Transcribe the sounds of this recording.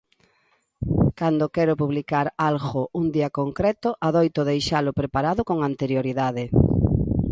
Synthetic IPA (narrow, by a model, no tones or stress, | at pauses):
kand̪okɛɾʊpuβlikaɾalɣound̪iɐkoŋkɾɛt̪ʊʔaðojt̪oðejʃalʊpɾepaɾaðʊkoŋant̪eɾjoɾiðaðɪ